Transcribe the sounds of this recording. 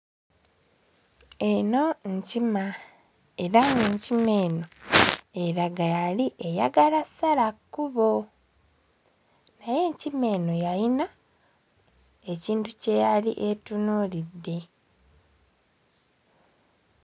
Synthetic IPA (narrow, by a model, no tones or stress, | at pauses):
eno̞ɲcima | eɾaŋɡuɲcime̞ːno̞eɾaɡajaliʔe̞ja̰ɡalasalakːuβo̞ | naje̞ɲcime̞ːno̞jaina | eciːntuce̞jalḭʔetunuːlidːe̞